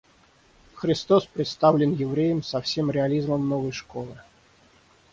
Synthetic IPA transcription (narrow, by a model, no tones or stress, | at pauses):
xɾʲɪst̪ospɾʲɪt̪st̪avlʲɪnjɪvɾʲejəmsɐfsʲemɾʲɪɐlʲizməmnovəjʂkolˠɨ